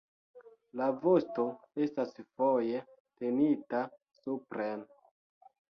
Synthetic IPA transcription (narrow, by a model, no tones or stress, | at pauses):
lavo̞sto̞e̞stasfo̞je̞ | te̞nita | supɾen